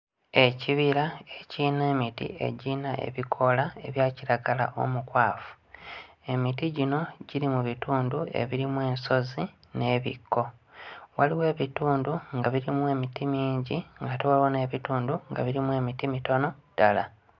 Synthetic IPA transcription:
e̞ciβiɾae̞ciːne̞ːmitḭe̞̰ɟinaʔe̞̰βikʰo̞laeβjaːciɾaɡala̰ʔo̞̰mukwaːfu̥ | e̞mitiɟino̞ɟiɾimuβituːndue̞̰βiɾimwe̞ːnso̞zi | ne̞βḭkʰːo̞waliwe̞ːβituːnduŋɡaβiɾimwe̞ːmitimiːɲɟiŋɡatewaβone̞ːβituːnduŋɡa̰βiɾimwe̞ːmitimito̞no̞d̥ala

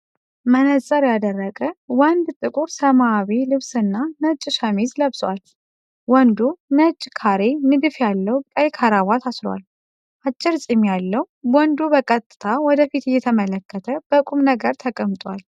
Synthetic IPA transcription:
mənəsʼəɾjad̪ərːəɡʼəwand̪t̪ʼɨkʼuɾsəmaːβilɨβsɨnːanət͡ʃʼːʃamizləβswa̰l | wɔnd̪unət͡ʃʼːkʰaɾenɨd̪ɨfjalːəwkʼəjkʰaɾawat̪ʰasla̰l | ʔat͡ʃʼːɪɾsʼɪmjalːəw | wɔnd̪ubəkʼət̪ʼːɨt̪ʰawɔd̪əfit̪jɛt̪ʰəmələkʰːət̪ʰəb̥əkʼumnəɡəɾt̪ʰəkʼəmt̪ʼwal

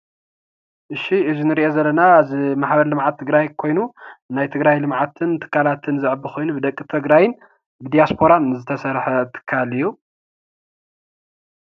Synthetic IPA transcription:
ʔɨʃːiʔɨzunɨɾiʔozɐlːɐnazimaħbɐɾlɨmʕat̪ʰːɨɡɾajkʰo̞jnunajt̪ʰɨɡɾajlɨmʕat̪ʰɨnt̪ʰɨ̥kʰːalat̪ʰɨnzɨʕɨbɨxʰo̞jnubɨd̪ɐkʼːit̪ʰɨɡɾajɪn | bɨd̪ijaspʰo̞ɾannɨzɨt̪ʰɐsɐɾħɐt̪ʰɨ̥kʰːalɨjːu

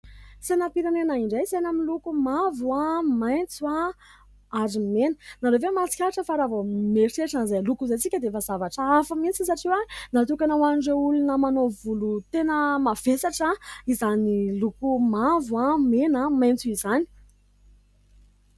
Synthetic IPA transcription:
sanapiɾanenaiɳɖ͡ʐejsenamilukumavuamajnt͡sua | aɾimenənaɾevemat͡si̥kʲaʈ͡ʂəfaɾavomeɾseʈ͡ʂanzalukuzajt͡sikʲəd̪eefəzavaʈ͡ʂaafəmint͡sisaʈ͡ʂiwanat̪ukanawaniɖ͡ʐeulunəmanovulut̪enəmav̥esaʈ͡ʂaizanilukumavamenamajnt͡suizani̥

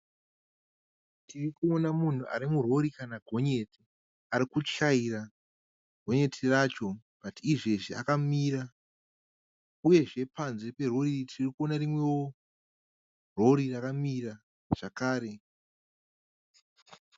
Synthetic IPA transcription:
tʰirikuo̞namun̤uʔa̰ɾimuro̞ɾikanaɡʱo̞ɲe̞ti | aɾikut͡ʃaira | ɡ̥ʱo̞ɲe̞tʰirat͡ʃo̞ | batiːʐeʐia̰kamiːra | uje̞ʐe̞panze̞pe̞ro̞ritʰirikuo̞narimwe̞wo | ro̞ɾirakamira | ʐ̥akaːɾe̞

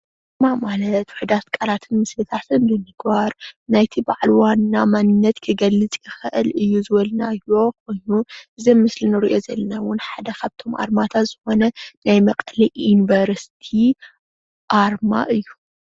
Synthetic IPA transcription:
ʔɨmamalɐt̪wʊħud̪at̪kʼɐɾat̪ʰɨnmɨslɨt̪ʰat̪ʰɨnbɨnɨɡ̥baɾnajt̪ʰibaʕlwanːamanːɨnːɐt̪kʰɨɡɐlːɨt͡sʼkʰɨxɨʔɨlɨjːuzɨβɐlnajo̞kʰo̞jnuʔɨzɐmmɨslinɨɾiʔo̞zɐlɐnawʊnħad̪ɐkʰaβt̪ʰo̞mʔa̰ɾmat̪ʰat̪z̥ɨxo̞nɐnajmɐkʼɐliʔinvɐɾsi̥t̪ʰi | ʔaɾma̰ʔɨjːu

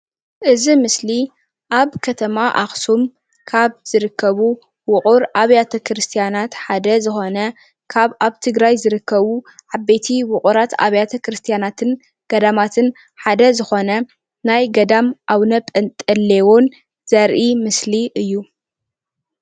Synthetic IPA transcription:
ʔɨzimɨsli | ʔaβkʰɐt̪ʰɐmaʔaxsum | kʰaβz̥ɨɾɨkʰːɐβu | wʊχʼʊɾʔaβjat̪ʰɐkʰɾɨst̪ʰijanat̪ħad̪ɐzɨxo̞nɐ | kʰaβʔaβt̪ʰɨɡɾajzɨɾɨkːɐβuʕabet̪ʰiwʊqʼuɾat̪ʰa̰βjat̪ʰɐkɾɨst̪ʰijanat̪ʰɨn | ɡ̥ɐd̪amat̪ʰɨn | ħad̪ɐzɨxo̞nɐ | najɡɐd̪amʔawnɐpʼɐnt̪ʼɐlːewon | z̥ɐɾʔimɨsliʔɨjːu

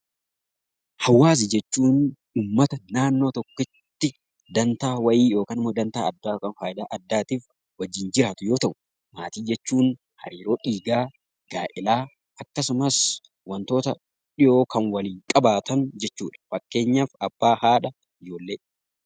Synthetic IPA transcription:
hɐwːaːs̬ɪd͡ʒɛt͡ʃːuːn | uːmːɐt̪ɐnaːnːo̞ːt̪ɔkːɪt̪ːɪ | d̪ɐnt̪aːwɐjiːjo̞ːkɐnɪmːoːd̪ɐnt̪aːɐd̪ːaːkɐnfaːjɪd̪aːʔɐd̪ːaːt̪iːf | wɐd͡ʒːɪnd͡ʒɪɾaːt̪ʊjo̞ːt̪ɐʔʊ̥ | maːt̪iːd͡ʒɛt͡ʃːuːn | hɐ̰ɾiːɾo̞ːᶑiːɡaː | ɡ̥aːʔɪlaː | ɐkːɐsʊmɐs | wɐnt̪o̞ːt̪ɐ̰ | ᶑɪʔo̞ːkʰɐnwɐliːŋkʼɐbaːt̪ɐnd͡ʒɛt͡ʃːuːᶑɐ̥fɐkːe̞ːɲːaːfɐb̥ːaːhaːᶑɐ | ɪd͡ʒo̞ːlːeː

